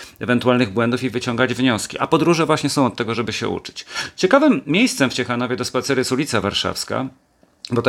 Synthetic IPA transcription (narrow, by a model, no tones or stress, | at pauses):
ɛvɛnt̪ualnɘɣbwɛnd̪ufivɘt͡ɕɔŋɡad͡ʑvɲɔskʲḭʔa̰pɔd̪ɾuʐɛvwaɕɲɛsɔ̃w̃ɔt̪ːɛɡɔʐɛbɘɕɛ̰ṵt͡ʂɘ̥t͡ɕt͡ɕɛkavɘmːʲjejst̪sɛmft͡ɕɛxan̪ɔvʲjɛd̪ɔspat̪sɛɾjɛsulʲit̪savaɾʂa̰fska̰ | bɔt̪